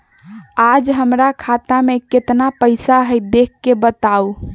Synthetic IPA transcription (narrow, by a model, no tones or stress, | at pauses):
ad͡ʒɦəmɾakʰat̪ameket̪napəɪsaɦəjd̪ekːebət̪au